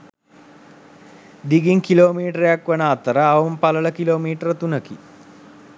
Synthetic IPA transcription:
d̪iɡiŋkiloːmiːʈəɾejakʋɐnaːt̪əɾəːʋɐmpɐləɭəkiloːmiːʈəɾət̪unəki

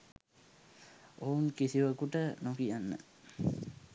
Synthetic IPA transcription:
ouŋkisiʋəkuʈənokijanːə̰

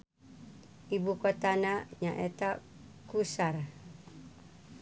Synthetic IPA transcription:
ibukot̪anaɲaʔet̪akusar

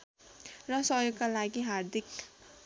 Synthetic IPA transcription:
rʌsʌjoɡkalaɡiɦard̪ik

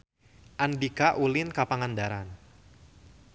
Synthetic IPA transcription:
ʔandikaʔulɪnkapaŋandaɾan

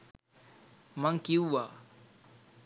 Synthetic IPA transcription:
maŋkiwwa

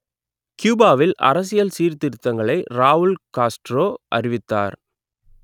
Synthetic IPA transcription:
kjuːbaːʋɪlʔɐ̰ɾɐs̬ɪjɐlsiːɾt̪ɪɾɯt̪ːɐŋɡɐɭɐɪɾaːɦʊɭkaːsʈɾoːʔɐ̰ɾɪʋɪt̪ːa̰ːɾ

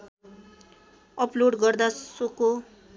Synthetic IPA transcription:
ʌploɖɡʌrd̪asoko

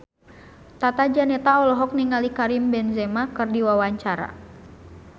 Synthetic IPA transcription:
t̪at̪ad͡ʒanɛt̪aɔlɔɦɔk̚niŋalikaɾimbɛnzɛmakɨrdiwawaɲt͡ʃaɾa̰

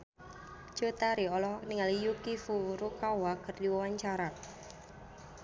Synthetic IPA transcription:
d͡ʒ̥ot̪aɾiɔlɔhɔkniŋalijukifuɾukawakɨrdiwawaɲt͡ʃaɾa

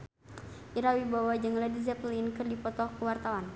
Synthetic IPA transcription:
ʔiɾawibawad͡ʒɨŋladizɛplinkɨrdipɔt̪ɔhkuwart̪awan

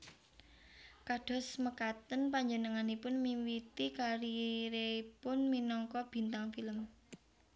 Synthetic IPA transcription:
kaɖ̥ɔ̤sməkat̪ənpaɲd͡ʒənəŋanipʊnmiwit̪ikaɾiɾepʊnminɔŋkɔb̥i̤nt̪aŋfiləm

